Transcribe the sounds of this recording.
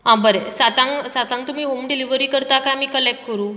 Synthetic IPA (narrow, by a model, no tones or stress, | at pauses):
ɦãbəɾesat̪ãŋɡsat̪ãŋkt̪um̤iːɦomɖiliʋɾiːkəɾt̪akajamiːkəlek̚ʈ̚kəɾuː